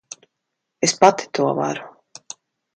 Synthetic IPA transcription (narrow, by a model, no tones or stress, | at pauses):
espat̪i̥t̪uɔva̰ɾu